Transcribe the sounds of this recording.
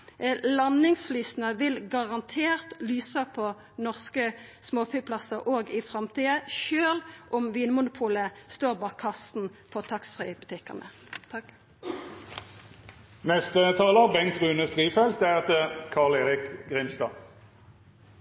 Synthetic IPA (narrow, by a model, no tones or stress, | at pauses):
lɑnɪŋsflyːsnəʋɪlɡɑʁɑnt̪ʰeːʁt̪lyːsəpʰɔ | nɔʁskəsmoːfʏːpʰlɑsəʁʔoːɡɪfʁɑmt̪ʰiːəʃøːlʔʊmʋiːnmʊnʊpʰuːləst̪oːʁbɑːkʰɑst̪n̩fʰɔt̪ʰɑksfʁḭːbʉt̪ʰɪkːə̰ʁnə̰ | t̪ʰɑ | nɛst̪ət̪ʰɑːləbɛŋt̪ʁʉːnəst̪ʁiːfɛlt̪̚æʁt̪əkʰɑːʁleːʁɪkɡʁɪmst̪ɑ̰ː